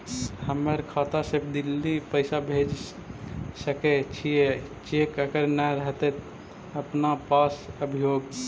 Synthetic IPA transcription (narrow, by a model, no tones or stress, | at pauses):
həmːəɾkʰat̪asəbd̪ilːipəɪsabʱed͡ʒ | səket͡ʃʰijet͡ʃekəɡəɾnaɾəɦt̪ɛt̪ | əpnapasəbʱijoɡ